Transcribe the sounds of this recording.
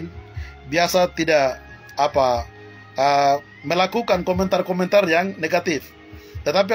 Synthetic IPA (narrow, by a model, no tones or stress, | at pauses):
nbiasat̪idaʔ | apa | ə | məlakukankomɛnt̪arkɔmɛnt̪arjaŋneɡat̪ɪf | t̪ət̪ap̬i